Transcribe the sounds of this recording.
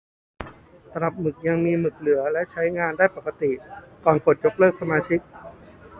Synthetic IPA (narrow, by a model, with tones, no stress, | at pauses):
t̪a˧ɾa˨˩p̚mɯ˨˩k̚ja˧ŋmiː˧mɯ˨˩k̚lɯ˩˦ɐlɛ˦˥ʔt͡ɕʰa˦˥jŋaː˧ndaː˥˩jpa˨˩ka˧t̪i˨˩kɔː˨˩nkʰo˨˩t̪̚jo˦˥k̚lɤː˥˩k̚sa˧maː˧t͡ɕʰi˦˥k̚